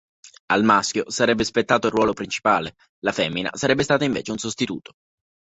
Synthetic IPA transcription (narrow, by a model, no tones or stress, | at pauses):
almaskʲjosaɾɛbːespet̪ːaːt̪oilrːwɔːlopɾint͡ʃi̥paːle | lafɛmːina̰saɾɛbːest̪aːt̪aiɱvḛːt͡ʃeunsost̪it̪ṵːt̪o̥